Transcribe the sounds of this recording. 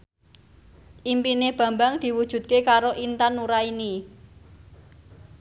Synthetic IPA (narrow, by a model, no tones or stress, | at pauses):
ʔimpineb̥ä̤mbaŋd̪̥i̤wud̥ʒ̥ṳt̪̚kekaɾoʔint̪anːuɾaini